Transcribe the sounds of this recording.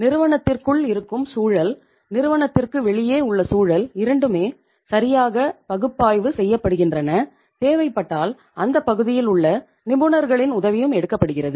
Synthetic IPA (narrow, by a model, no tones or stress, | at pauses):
nɪɾɯʋɐnɐt̪ːɪrkɯɭɪɾɯkːɯmsuːɻɐl | nɪɾɯʋɐɳɐt̪ːɪrkɯʋɛɭɪjeːʊɭːɐsuːɻɐlɪɾɐɳɖɯmeː | sɐɾɪjaːɣɐpɐɣɯpːaːjʋɯsɛjːɐpːɐɽɯɣɪndrɐnɐ | t̪eːʋɐɪpːɐʈːaːl | ɐnd̪ɐpːɐɣɯðɪjɪlʊɭːɐ | nɪbɯnɐɾɣɐɭɪnʊðɐʋɪjɯmɛɽɯkːɐpːɐɽɯɣɪrɐðɯ